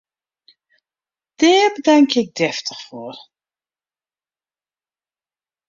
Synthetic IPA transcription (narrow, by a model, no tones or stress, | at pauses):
d̥ɛːɹbədaŋkɪk̚dɛftəχfoːr